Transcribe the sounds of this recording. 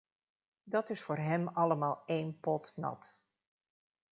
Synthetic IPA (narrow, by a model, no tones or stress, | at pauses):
dɑtɪsfʊːɹɦɛmɑləmaːlˠejnpɔtnɑ̰t